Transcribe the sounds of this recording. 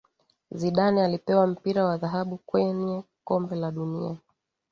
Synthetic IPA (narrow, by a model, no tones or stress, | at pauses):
ziɗanialipɛwam̩piɾawaðaɦaɓukwɛɲɛ | kɔmbɛlaɗunia